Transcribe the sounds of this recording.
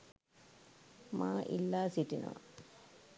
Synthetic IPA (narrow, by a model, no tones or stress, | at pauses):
maːʔḭlːaːsiʈːina̰